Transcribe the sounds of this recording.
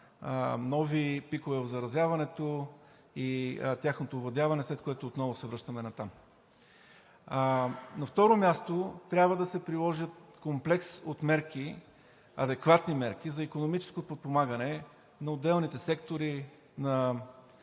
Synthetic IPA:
nɔvipikovɛvɐvzɐɾɐzjavɐnɛt̪o | it̪ʲjaxnot̪ovlˠɐd̪ʲavɐnɛslɛt̪̚koɛt̪oːt̪nɔvʊsɛvɾɤʃt̪ɐmɛnɐt̪am | nɐft̪ɔɾomʲjast̪ot̪ɾʲjabvəd̪ɐsɛpɾilˠɔʒət̪komplɛksot̪mɛɾki | ɐ̰d̪ɛkvat̪nimɛɾk̟izɐikonomit͡ʃɛ̥skopot̪̚pomaɡənɛ | nɐod̪ɛlˠnit̪ɛsɛkt̪oɾi | nɐ

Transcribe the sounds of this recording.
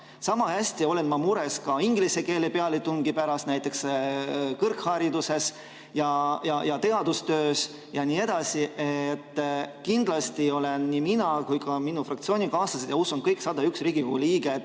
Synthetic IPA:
sɑmɑhæsʲt̪io̞le̞nmɑmuɾe̞skɑiŋɡlise̞ke̞ːlepeɑlit̪uŋɡ̥ipæɾɑst̪næjt̪ːˑe̞ks | kɤrkhɑɾid̪use̞s | jɑjɑjɑt̪e̞ɑd̪ust̪øːs | jɑniːe̞d̪̥ɑsiʔet̪ːkind̪̥lɑst̪io̞le̞nniminɑkujkɑminufrɑkt̪sio̞ːnʲikɑːst̪ɑsid̪jɑusunkɤjksɑd̪̥ɑyksriːɡ̥ikhṵːliːɡ̥e

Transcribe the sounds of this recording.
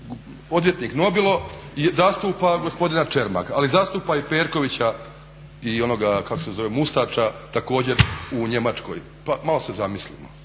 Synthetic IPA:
o̞d̪ʋjet̪niːkno̞bilˠo̞jzaːst̪uːpaɡospo̞d̪inat͡ʃe̞ɾma̰kalizaːst̪uːpaipe̞ːɾko̞ʋit͡ɕa | io̞no̞ɡakako̞sezo̞ʋe̞must̪aːt͡ʃat̪ako̞ːd͡ʑe̞ɾuɲe̞mat͡ʃko̞̰j | pamalo̞se̞zamislḭmo̰

